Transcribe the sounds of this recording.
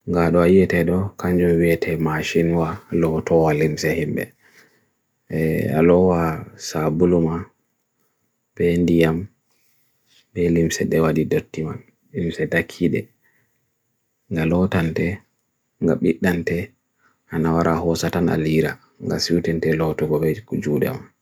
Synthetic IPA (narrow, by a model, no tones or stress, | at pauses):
ŋɡaɗɔajɛtɛɗɔkaɲd͡ʒumwiɛtʰɛmaʃinwalɔtɔwalimsɛhimbɛ̰ | a̰lɔwasabuluma | bɛndijam | bɛlimsɛɗɛwadidotːiman | limsɛdakʰːiɗɛ̰ | ŋɡalɔtantɛ | ŋɡaɓiɗːantɛ | ʔanawaɾʔahɔsatana̰liɾa | ŋɡa̰siwtɛntɛlɔtɔɡɔbɛd͡ʒuːdɛ̰man